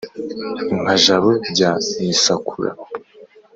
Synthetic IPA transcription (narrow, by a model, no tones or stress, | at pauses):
iŋ̥aʒaβoɟamisakʰuɾa̰